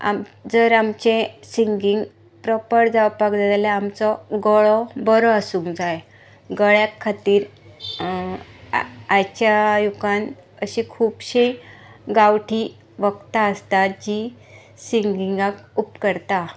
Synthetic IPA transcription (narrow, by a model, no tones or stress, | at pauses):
a̰md͡zəɾamt͡ɕẽsiŋɡiŋɡ | pɾəpəɽd͡zaʋpakd͡zad̪alɛamt͡sɔɡɔɭɔbɔɾɔasuŋkd͡zaj | ɡəɭjakʰːat̪iːɾ | ajt͡ɕjajukan | əɕĩkʰuːpɕẽɡawʈʰi | ʋəkt̪aəst̪ad͡ʑi | siŋɡiŋɡakupkəɾt̪a